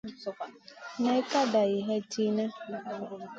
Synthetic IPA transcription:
ne˦ka˦da˨i˨ɦe˦ti˦ne˦

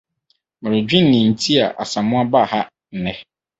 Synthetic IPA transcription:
mã˨ɾɪ˨d͡ʑᶣĩ˦n˨nĩ˨n̩˨tʰi˦a̰˨ʔa̰˨sã˨mʊ̃˦a˦ba˦˨ha˦ | n̩˨nɛ̃˦

